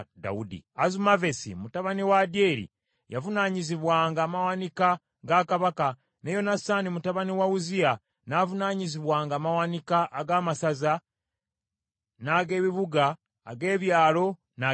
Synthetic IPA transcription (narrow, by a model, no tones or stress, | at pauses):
da̰udḭazumave̞sḭmutaβaniwadje̞ːɾḭ | javunaːɲiziβwaːŋɡaːmawanika | ɡakaβaka | nejo̞nasaːnimutaβaniwauzia | navunaːɲiziβwaːŋɡaːmawanikaʔːɡaːmasaza | naːɡe̞ːβiβuɡa̰ː | ɡe̞ːβjaːlo̞ | na